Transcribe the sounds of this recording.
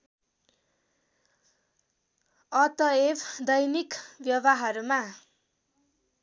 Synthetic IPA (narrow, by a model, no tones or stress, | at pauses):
ʌt̪ʌebʰd̪ʌjnikbjʌbaɦʌɾuma